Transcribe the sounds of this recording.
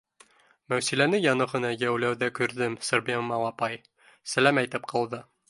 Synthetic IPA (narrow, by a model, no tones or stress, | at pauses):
mæwsilænɘjɑnɤ̆ʁɤ̆nɑjæwlæwðækʉɾd̪ɘmsɤ̆ɾbemɑlˠɑpɑj | sæ̆læmæjt̪ɘpqʰɑ̆lˠd̪ɤ